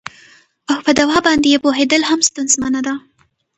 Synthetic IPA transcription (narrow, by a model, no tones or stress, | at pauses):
awpəd̪awɑbɑnd̪ejepoɦed̪əlhamst̪anzmɑnad̪a